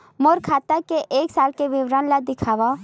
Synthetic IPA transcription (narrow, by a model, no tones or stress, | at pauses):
moːɾkʰaːt̪akeʔeːksaːlkeʋɪʋɾaːnlad̪ɪkʰaːʋa